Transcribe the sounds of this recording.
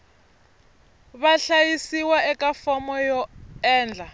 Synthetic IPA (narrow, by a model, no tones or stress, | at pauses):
βaɬajisiwaɛkʼafɔmɔjɔɛːnd͡ɮʱa